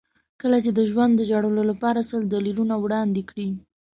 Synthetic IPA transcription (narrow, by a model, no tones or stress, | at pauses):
kəlat͡ʃed̪əʒwand̪ːəʒaɽəlolapɑɾasəld̪alilunawɽɑnd̪ekɽi